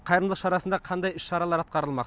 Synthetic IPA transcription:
qʰɑjɾəmd̪ˠəqʃɑɾɑsənd̪ɑqʰɑnd̪ɑjɪʃʃɑɾɑlˠɑɾɑt̪̚qɑɾəlˠmɑq

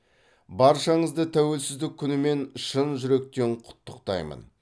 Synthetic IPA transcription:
bɑɾʃɑɴəzd̪ət̪ʰæwe̞lsɪzd̪ɪkʲʰːʏnɪme̞nʃənʒʏɾe̞k̚t̪e̞ɴqʰʊ̥t̪ːəqt̪ɑ̰jmə̰n

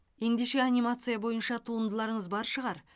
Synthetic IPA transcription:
je̞nd̪e̞ʃe̞anʲimat̪sɨjabo̞jənʃɑt̪ʰuənd̪əlˠɑɾəɴəzbɑɾʃəʁɑɾ

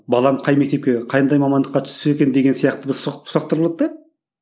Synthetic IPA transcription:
bɑlˠɑmqʰɑjme̞k̚t̪e̞p̚kʲeqʰɑjənd̪ɑjmɑmɑnd̪əqːɑt̪ʰʏ̥seekʲe̞nd̪e̞ɡʲensijɑqt̪əbɪɾsʰʊ̥sɑqt̪əɾbolˠɑd̪d̪ɑ

